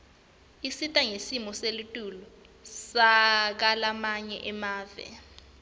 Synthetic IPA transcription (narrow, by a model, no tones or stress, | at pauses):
isitʼaŋesimɔselutʼulɔ | sak̬alamaɲɛʔɛmaːvɛ̰